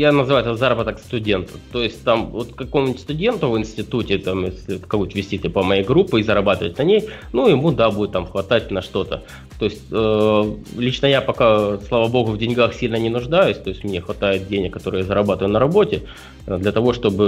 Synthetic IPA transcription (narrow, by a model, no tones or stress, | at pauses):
janəzɨvajʊt̪zaɾəbət̪əkst̪ʊdʲe̞nt̪ə̥t̪o̞jɪsʲt̚ʲt̪amvo̞t̪kːɐko̞mʊnʲtʲst̪ʊdʲe̞nt̪ʊvɨnsʲtʲɪt̪utʲɪt̪amjesʲlʲɪkɐkot̪ʲvʲɪsʲtʲit̪ʲɨpəmɐjejɡɾupːɨːzəɾɐbat̪ɨvətʲnɐnʲejnujɪmud̪abudʲɪt̪ːamxvɐt̪at̚ʲnɐʂt̪o̞t̪ə | t̪o̞ɪsʲtʲə | lʲit͡ɕnəjapɐkaslˠavabo̞ɣʊvdʲɪnʲɡaxsʲilʲnənʲɪnʊʐd̪ajʊsʲt̪o̞jɪsʲtʲmnʲexvɐt̪ajɪt̪̚dʲenʲɪkːɐt̪o̞ɾɨjəjazəɾɐbat̪əvjʊnəɾɐbo̞tʲɪ | d̪lʲɐt̪ɐvo̞ʂt̪o̞bɨ